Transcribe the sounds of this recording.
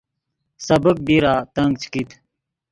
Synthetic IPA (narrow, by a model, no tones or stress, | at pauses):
sɐbək̚biɾaːt̪ɐŋɡ̚t͡ɕʰkit̪ʰ